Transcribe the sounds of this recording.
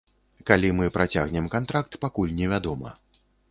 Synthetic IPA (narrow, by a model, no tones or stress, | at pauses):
kalʲimɨpɾat͡sʲaɣnʲɛmkant̪ɾak̚t̪pakulʲnʲɛvʲad̪ɔmɐ̰